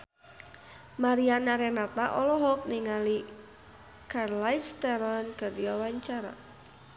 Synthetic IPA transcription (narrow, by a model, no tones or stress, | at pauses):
maɾianaɾɛnat̪aʔɔlɔɦɔk̚niŋali | karlajst̪ɛɾɔnkadiwawaɲt͡ʃaɾa̰